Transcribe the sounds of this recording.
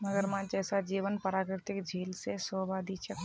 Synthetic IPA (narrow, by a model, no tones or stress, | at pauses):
məɡəɾmãd͡ʒɛːsad͡ʒiːʋənpəɾaːkɾɪɾt̪ɪkd͡ʒʱiːlsesoːbad̪ʱit͡ʃʰək